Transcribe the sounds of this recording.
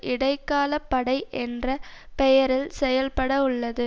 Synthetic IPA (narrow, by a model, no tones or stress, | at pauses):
ʔɪɽɐɪkːaːlɐpːɐɽɐɪʔɛndrɐpɛjɐɾɪlsɛjɐlpɐɽɐʊɭːɐðɯ